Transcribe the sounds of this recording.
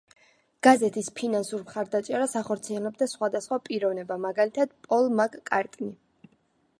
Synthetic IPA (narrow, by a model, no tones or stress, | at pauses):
ɡ̥azɛt̪ʰispʰinansuɾmχaɾd̪at͡ʃʼɛɾasaχɔɾt̪sʰiɛlɛb̚d̪asχwad̪asχwapʼiɾɔvnɛbamaɡalit̪ʰad̪̥pʼɔlˠmakʼkʼaɾt̪ʼni